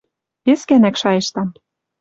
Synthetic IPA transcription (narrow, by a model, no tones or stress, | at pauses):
peskænækʃɑjɤ̆ʃt̪ɑm